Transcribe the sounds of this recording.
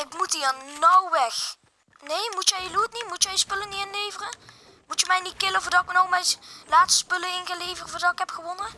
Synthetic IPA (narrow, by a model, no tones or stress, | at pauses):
ɪkmutɦiːɹnɔwʋɛx | nejmutjɛjəlutnitmutjɛjspɵləniɪnlejvərə | mutəmɛjnit̚kɪləvʊːɹdɑtɪknowmɛjlaːtsspɵləɪnɣəlejvərvʊːɹdɑtɪkɦɛpxəʋonə